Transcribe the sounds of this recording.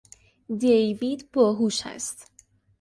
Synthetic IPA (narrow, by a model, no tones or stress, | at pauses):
d̪ejvid̪bɒːɦuʃæ̰st̪